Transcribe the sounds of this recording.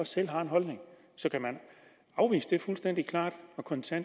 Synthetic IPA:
ɒsel̰ɦɑ̈e̝nɦɒ̽lne̝ŋ | sɒ̽kʰæmæn | ɑ̈ʊʋḭːsəd̥efulsd̥en̰d̥ikʰlɑ̰̈ːd̥ɒ̽kʰɒ̽nt͡sʰæn̰

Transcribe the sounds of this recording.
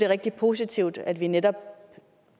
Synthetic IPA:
d̥e̝ʁɛɡ̥̚d̥ipʰo̝s̬it͡sʰiʊ̰d̥æd̥ʋined̥ɒ̽b̥

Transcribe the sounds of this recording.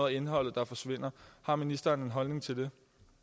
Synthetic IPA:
ðˠe̝nɦɒ̽l̰ð̩ˠd̥ɑ̈fɒ̽sʋe̝n̰ɐhɑ̈minisd̥ɐːne̝nɦɒ̽lne̝ŋt͡sʰe̝ld̥e̝

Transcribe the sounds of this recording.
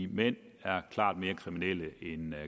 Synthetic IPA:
imen̰ | æɐkʰl̥ɑ̰̈ːd̥̚me̝ːɐkʰʁiminel̰əen

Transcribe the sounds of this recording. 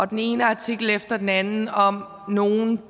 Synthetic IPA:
ɒ̽d̥ene̝ːnəɑ̈t͡sʰiɡ̥l̩efd̥ɐd̥enænn̩ɒ̽m | no̝ːn

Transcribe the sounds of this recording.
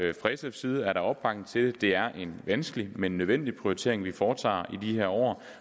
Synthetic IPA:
fʁɛsefsiːð̞ˠæɐɾ̥ɑ̈ɒ̽b̥bʰɑ̈ɡ̥n̩ˠt͡sʰe̝ld̥e̝æɐʔe̝nʋænsɡ̥əlimenːøðˠʋen̰d̥ipʰʁioit͡sʰe̝̰ɐe̝ŋʋifɒːt͡sʰɑ̰̈ːid̥iheɐ̰ɒ̰ː

